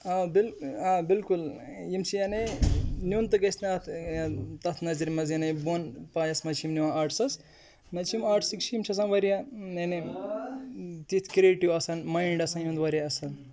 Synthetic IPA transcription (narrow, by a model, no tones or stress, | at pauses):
abilabilkulimt͡ʃʰiɐnenʲjunt̪ɐkɐsnat̪ʰt̪ɐt̪ʰnɐziɾmɐzinɐjbonpajɐsmɐt͡ʃʰimniwãaʈsɐs | mɐt͡ʃʰimaːʈʰsikt͡ʃʰjimt͡ʃʰɐs̬ãnʋɐɾijaene | t̪it̪ʰkɾeʈiwɐsɐnmɐjɳɖɐsãjũnd̪ʋɐɾjaɐsɐn